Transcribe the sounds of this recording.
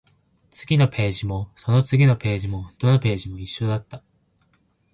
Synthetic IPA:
t͡sɨ̥ɡʲino̞pʰe̞ːʑimo̞so̞no̞t͡sɨɡʲino̞pe̞ːʑimo̞d̪onope̞ːʑimo̞iɕːo̞d̪at̪ːa

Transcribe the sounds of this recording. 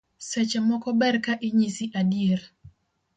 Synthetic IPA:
sɛt͡ʃɛmɔkɔbɛrkaʔiɲisiʔadijeɾ

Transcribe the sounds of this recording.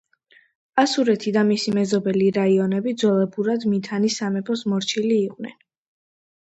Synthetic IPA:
asuɾɛt̪ʰid̪amisimɛzɔbɛliɾaiɔnɛbid̪zwɛlɛbuɾad̪mit̪ʰanisamɛpʰɔsmɔɾt͡ʃʰiliːqʼwnɛ̰n

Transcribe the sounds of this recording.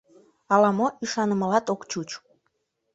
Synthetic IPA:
ɑlɑmoiʃɑnəməlɑt̪okt͡ɕut͡ɕ

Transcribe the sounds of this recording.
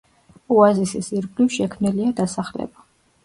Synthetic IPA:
uazisisiɾɡlifʃɛkʰmniliad̪asaχlɛ̰ba

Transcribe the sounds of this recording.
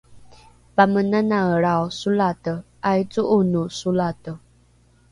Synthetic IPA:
pamənanaəɺaosulatə | ajt͡suʔunusulatə

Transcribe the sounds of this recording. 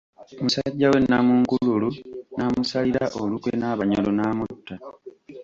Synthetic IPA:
musaɟːawe̞nːamuŋkululunamusaliɾaʔolukwenaːβaɲolonaːmutːa

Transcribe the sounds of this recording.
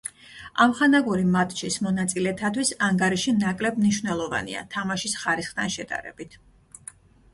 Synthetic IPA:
amχanaɡuɾimat̪ʰʼʃismɔnat̪sʼilɛt̪ʰat̪ʰwisaŋɡaɾiʃinakʼlɛbmniʃvnɛlˠɔva̰nḭa̰t̪ʰamaʃisχaɾisχt̪ʰanʃɛd̪̥a̰ɾɛ̰b̥it̪ʰ

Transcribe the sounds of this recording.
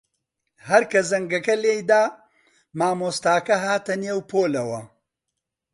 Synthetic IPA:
hɐɾkɐzɐŋɡɐkɐleːjd̪aː | maːmoːst̪aːkɐɦaːt̪ɐneːwpʰoːlɐwɐ

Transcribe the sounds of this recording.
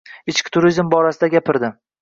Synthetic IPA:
ɪt͡ʃkʲt̪ʰʊɾizmbɒɾasɪd̪aɡʲapɪɾd̪ɪ

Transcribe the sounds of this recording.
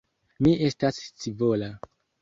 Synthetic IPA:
mie̞stast͡sivo̞la

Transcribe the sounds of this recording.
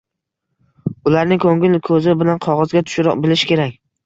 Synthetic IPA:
ʊlaɾnɪŋkʰɵŋɪlkʰɵzɪbɪlanqʰɒʁɒzɡʲat̪ʰʊ̥ʃɾ̰bɪlɪʃkʲe̞ɾak̚ʲ

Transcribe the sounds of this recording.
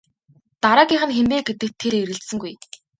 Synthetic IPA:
t̪aɾaːkʲiːŋχɘ̆nxempeːɡet̪ɘ̆k̚t̪ʰːeɾeɾɘ̆ɬt̪sɘ̆ŋɡuj

